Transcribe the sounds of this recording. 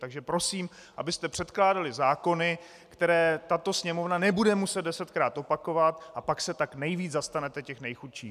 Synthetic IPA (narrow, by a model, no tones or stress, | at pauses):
t̪aɡʒɛpɾo̞siːm | ʔabɪst̪ɛpr̥ɛt̪klaːdalɪzaːko̞nɪ | kt̪ɛɾɛːt̪at̪o̞sɲɛmo̞vnanɛbudɛmusɛd̪̚dɛsɛt̪kɾaːt̪ʔo̞pako̞vat̪ʔapaksɛt̪aknɛjviːd͡zzast̪anɛt̪ɛcɛxnɛjxut̪ʃḭː